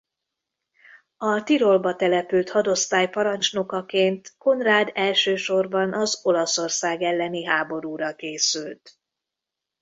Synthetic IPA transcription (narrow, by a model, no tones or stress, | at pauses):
ɒt̪iɾo̞lbɒt̪ɛlɛpylt̪hɒd̪o̞st̪aːjpɒɾɒnt͡ʃno̞kɒkeːnt̪ko̞nraːd̪ɛlʃøːʃo̞rbɒnʔɒzo̞lɒso̞rsaːɡɛlːɛniɦaːbo̞ɾuːɾɒkeːsylt̪